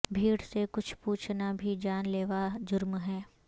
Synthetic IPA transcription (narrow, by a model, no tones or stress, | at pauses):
bʱiːɽsekʊt͡ʃʰpuːt͡ʃʰnabʱid͡ʒaːnleːʋad͡ʒʊɾmɦɛː